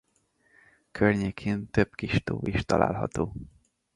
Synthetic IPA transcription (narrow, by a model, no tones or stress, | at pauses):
kʰørɲeːkʰeːnt̪øbkiʃt̪oːʔiʃt̪ɒlʔa̰ːlɦɒ̰t̪oː